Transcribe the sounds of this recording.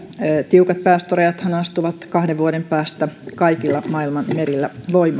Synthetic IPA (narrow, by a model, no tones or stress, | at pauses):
t̪iukɑt̪̚pæːst̪orejɑt̪hɑnɑst̪uʋɑt̪kɑhdeʋʋuoɾempæːst̪ækɑikilːɑmɑilmɑnmeɾilːæʋoimːɑ